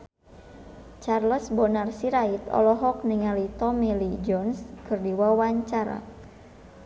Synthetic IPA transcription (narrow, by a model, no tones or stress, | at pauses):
t͡ʃarləsbɔnarsiɾait̪ɔ̰lɔɦɔk̚niŋalit̪ɔmilid͡ʒɔnskɨrdiwawaɲt͡ʃaɾa̰